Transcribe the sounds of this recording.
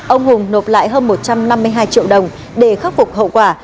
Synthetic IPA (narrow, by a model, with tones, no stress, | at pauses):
ʔə˧wŋ͡mhʊ˨˩ŋ͡mno˨˩p̚la̰ː˧˨jɦəː˧nmo˨˩t̚t͡ɕa˧mna˧mːɨ˧əjɦaː˧jt͡ɕḭ˧˨əwɗə˨˩wŋ͡m | ɗe˧˩xaː˦˥k͡p̚fʊ˨˩k͡p̚ɦə̰˧˨kwaː˧˩